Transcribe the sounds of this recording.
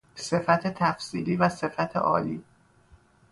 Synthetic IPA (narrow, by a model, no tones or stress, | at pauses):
se̞fæt̪ʰe̞t̪ʰæfsiːliːvæse̞fæt̪ʰḛʔɒ̰ːliː